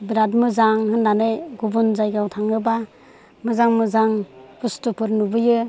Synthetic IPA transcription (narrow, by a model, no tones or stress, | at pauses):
biɾadmɯzaŋhɯnːanɯjɡubunzajɡawtʰaŋɯba | mɯzaŋmɯzaŋpʰustupʰɯɾnubɯjɯ